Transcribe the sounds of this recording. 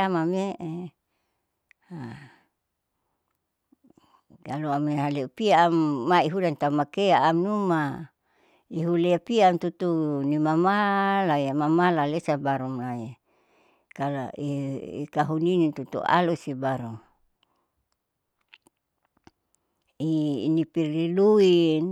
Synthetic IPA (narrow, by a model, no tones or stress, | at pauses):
amame | ha | kaluamniɦaleupiaːmːaiɦudant̪amakeaːmnuma | iɦuleapiant̪ut̪unimamalajamamalalesabaɾumla | kala̰iḭkaɦuninit̪ut̪ṵa̰lusibaɾuŋ | inipiriluin